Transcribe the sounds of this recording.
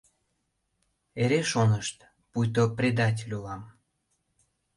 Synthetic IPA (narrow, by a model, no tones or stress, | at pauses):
eɾeʃonəʃt̪ | pujt̪̬oprʲed̪ɑt̬ʲelʲulɑm